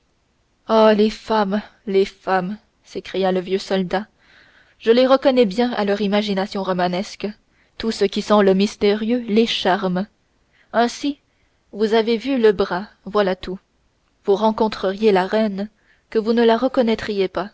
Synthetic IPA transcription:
alefam | lefam | sekχijaləvjøsɔld̪a | ʒəleʁəkɔnɛbjɛ̃a̰lœʁimaʒinasjɔ̃ʁɔmanɛsk | t̪usəkʲisɑ̃ləmist̪eʁjøleʃaʁm | ɛ̃si | vuzavevyləbʁa | vwalat̪u | vuʁɑ̃kɔ̃t̪χəʁjelaʁɛn | kəvunəlaʁəkɔnɛt̪χijepa

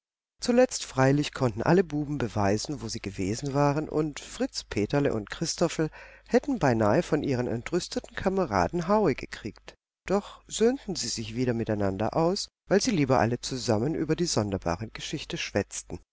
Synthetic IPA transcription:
t͡sulɛt͡stfʁ̥aɪlɪçkʰɔntn̩ʔa̰ləbuːbm̩bəvaɪzn̩voːziːɡəveːzn̩vaːʁənʔʊ̰ntfʁ̥ɪt͡spʰeːtɐlə̰ʔʊ̰ntkʁ̥ɪstʰɔfl̩hɛtn̩baɪnaːəfɔnʔiːʁənɛ̰ntʁʏstətn̩kʰaməʁa̰ːdn̩ɦaʊəɡəkʁ̥iːkt | d̥ɔχz̥øːntn̩ziːzɪçv̥iːɾɐmɪtaɪnandɐ̰ʔaʊsvaɪlziːliːbɐʔa̰lət͡suzamənʔyːbɐdiːzɔndɐba̰ːʁəɡ̥əʃɪçtəʃv̥ɛt͡stn̩

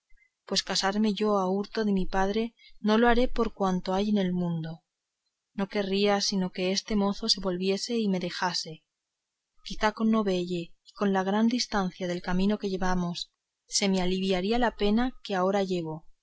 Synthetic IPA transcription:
pwe̞skasaɾme̞ʝo̞auɾt̪o̞ðemipað̞ɾe̞no̞loaɾe̞po̞ɾkwant̪o̞ajene̞lmũnd̪o̞ | no̞ke̞riasino̞ke̞est̪e̞mo̞θo̞se̞βo̞lβje̞se̞ime̞ðe̞xase̞ | kiθako̞nːo̞βe̞ʝe̞iko̞nlaɣ̞ɾand̪ist̪an̟θjaðe̞lkamĩno̞ke̞ʝe̞βamo̞sː | e̞mealiβjaɾialape̞nake̞ao̞ɾaʝe̞β̞o̞

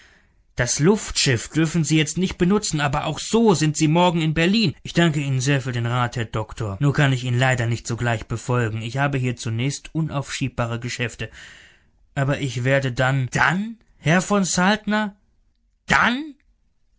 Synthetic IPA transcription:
d̥aslʊftʃɪfd̥ʏɐfn̩ziːjɛt͡stnɪçt̚b̥ənʊt͡sn̩aːbɐʔa̰ʊxz̥oːzɪntz̥iːmɔɐɡŋ̩ɪnbɛɐliːnʔɪçd̥aŋkəiːnənzeːɐfyːɐdeːnʁaːthɛɐdɔktʰoːɐnuːɐkʰanɪçiːnlaɪdɐnɪçtz̥oːɡlaɪçb̥əfɔlɡŋ̩ɪçhaːbəɦiːɐt͡sunɛːçstʔʊnʔaʊfʃiːp̚b̥aːʁ̞əɡəʃɛftə | ʔaːbɐʔɪçv̥eːɐdədand̥an | hɛɐfɔnsaltnɐ | d̥an

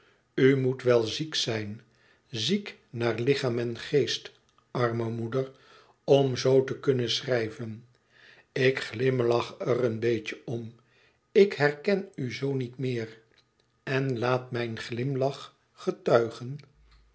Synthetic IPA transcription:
ymutʋɛlˠziksɛjn | ziknaːɹlɪχaːmɛnχejst | ʔɑɹməmudər | ɔmzowtəkɵnənsrɛjvən | ɪkχlɪmlɑχərənbejcəɔm | ɪkɦɛrkɛnyzownitmɪːr | ɛnlaːtmɛjnχlɪmlɑχ | χətœɥχən

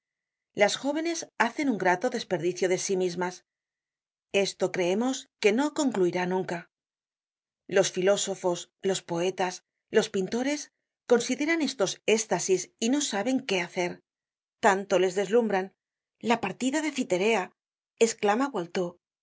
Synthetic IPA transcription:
lasxo̞β̞e̞ne̞saθe̞nuŋɡɾat̪o̞ðe̞spe̞ɾðiθjo̞ðe̞simizmas | e̞st̪o̞kɾe̞emo̞ske̞no̞ko̞ŋkluiɾanũŋka | lo̞sfilo̞so̞fo̞slo̞spo̞e̞t̪as | lo̞spint̪o̞ɾe̞s | ko̞nsiðe̞ɾane̞st̪o̞se̞st̪asisino̞saβe̞ŋke̞aθe̞ɾ | t̪ant̪o̞le̞zðe̞zlumbɾan | lapaɾt̪iðaðe̞θit̪e̞ɾe̞a | e̞sklamaβwalt̪o

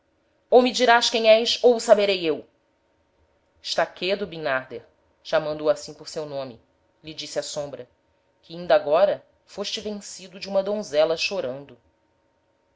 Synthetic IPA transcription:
owmid͡ʒiɾaʃkẽj̃ɲ̃ɛjʃowsabeɾejew | ɪ̥ʃt̪aked̪ʊbinaɾd̪eɾ | ʃamɐ̃nd̪oasĩpʊɾsewnõmɪ | lid͡ʒisiasõmbɾɐ | kɪĩnd̪ɐaɡɔɾɐ | foʃt͡ʃɪvẽsid̪ʊd͡ʒɪũmɐd̪õzɛlɐʃoɾɐ̃nd̪ʊ

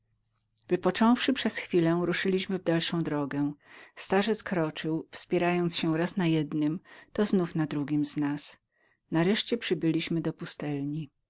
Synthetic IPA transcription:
vɘpɔt͡ʂɔ̃w̃fʂɘpʂɛsxfʲilɛ̃ɾuʂɘlʲiɕmɘvd̪alʂɔ̃w̃d̪ɾɔɡɛst̪aʐɛt̪skɾɔt͡ʂɘwfspʲjɛɾajɔnt̪sɕɛɾasnajɛd̪nɘmt̪ɔznufnad̪ɾuɡʲimznas | naɾɛʂt͡ɕɛpʂɘbɘlʲiɕmɘd̪ɔpust̪ɛlɲi

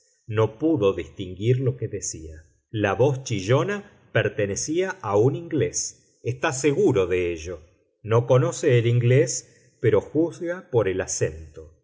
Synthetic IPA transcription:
no̞puðo̞ðist̪iŋɡiɾlo̞keðesia | laβost͡ʃiʒo̞na | peɾt̪enesiaʔauniŋɡle̞s | est̪ase̞ɣuɾo̞ðeeʒo̞ | no̞ko̞no̞seːliŋɡles | peɾo̞xuzɣapoɾelasent̪o

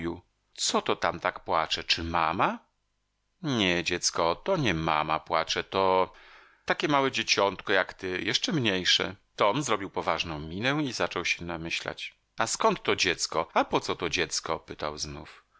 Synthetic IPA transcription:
u | t̪sɔt̪ɔt̪amt̪akpwat͡ʂɛt͡ʂɘmama | ɲɛd͡ʑɛt̪skɔt̪ɔɲɛma̰ma̰pwat͡ʂɛt̪ɔ | t̪akʲɛmawɛd͡ʑet͡ɕɔnt̪kɔjakt̪ɘjɛʂt͡ʂɛmɲejʂɛ̰t̪ɔmzɾɔbʲiwpɔvaʐnɔ̃w̃mʲinɛizat͡ʂɔwɕɛnamɘɕla̰t͡ɕ | askɔnt̪ːɔd͡ʑɛt̪skɔapɔt̪sɔt̪ɔd͡ʑɛt̪skɔpɘt̪a̰wznuf

